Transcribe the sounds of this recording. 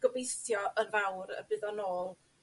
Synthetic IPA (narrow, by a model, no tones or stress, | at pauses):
ɡ̥ɔbejθjɔʔənvawɾə̰bɨðɔnoːlˠ